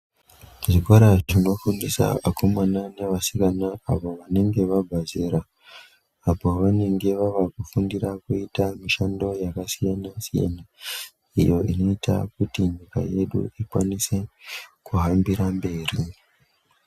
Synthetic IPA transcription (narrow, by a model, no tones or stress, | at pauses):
ʐikoɾaʐino̞fundisa̰akʰo̞manane̞ʋasikanaːʋo̞ʋane̞ŋɡe̞ʋabʱazeɾaː | po̞ʋane̞ŋɡe̞ʋaʋakufundirakuitamiʃando̞jakasijanasija̰na | ijo̞ino̞ita̰kutiɲika̰je̞ɗṵikwa̰nise̞kuɦambiɾambe̞ːri